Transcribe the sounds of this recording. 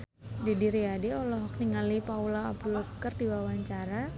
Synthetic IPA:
didiɾiadiɔlɔɦɔk̚niŋɡalipaulaːb̚dulɔkərdiwawaɲt͡ʃaɾa

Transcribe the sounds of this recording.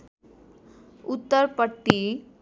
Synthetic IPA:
ut̪ːəɾpəʈːi

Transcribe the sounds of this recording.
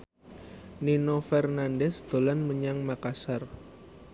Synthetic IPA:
ninofɛrnandɛsd̪̥o̤lanməɲaŋmakasar

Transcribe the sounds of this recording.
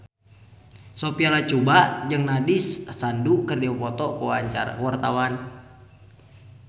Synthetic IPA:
sopialat͡ʃubaʔd͡ʒɨŋnadɪsːandukərdiwapɔt̪ɔkəwaɲt͡ʃa̰ɾa̰kəwart̪awan

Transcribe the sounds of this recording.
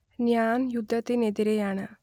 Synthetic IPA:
njaːnjud̪ʱːɐt̪ened̪iɾejaɳa

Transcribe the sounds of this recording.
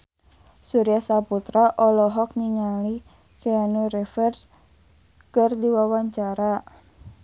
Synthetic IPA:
suɾijasaput̪ɾaʔɔlɔɦɔk̚niŋali | keanuɾɛfɛrs | kərdiwawaɲt͡ʃaɾa

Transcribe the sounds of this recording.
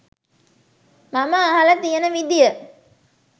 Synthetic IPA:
maməːɦalɐt̪ijənəʋid̪ijə

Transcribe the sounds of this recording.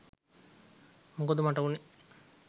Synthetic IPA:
muŋkod̪umaʈɐʋune

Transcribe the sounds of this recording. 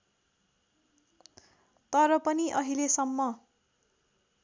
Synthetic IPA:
t̪ʌɾʌpʌniʔʌɦilesʌmːʌ

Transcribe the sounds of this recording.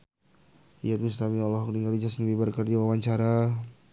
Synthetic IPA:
ḭjat̪̚must̪amiɔlɔɦɔk̚niŋɡalid͡ʒasənbibərkərd͡ʒawawaɲt͡ʃaɾa

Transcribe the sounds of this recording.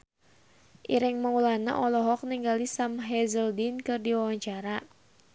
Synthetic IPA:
ʔiɾɪŋmaulana̰ʔɔlɔɦɔk̚niŋɡalisamɦɛzəldinkɨrdiwawaɲt͡ʃaɾa

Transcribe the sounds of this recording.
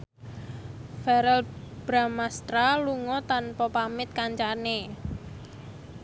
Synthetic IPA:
fɛɾɛlb̥ɾamast̪ɾaluŋɔt̪anpɔpamɪt̪̚kaɲt͡ʃane

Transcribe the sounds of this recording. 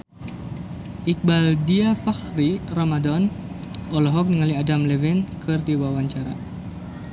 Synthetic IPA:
ʔik̚baldiafaxriramadɔnɔlɔɦɔk̚nəŋaliadamlɛwɪnkɨrdiwawaɲt͡ʃaɾa

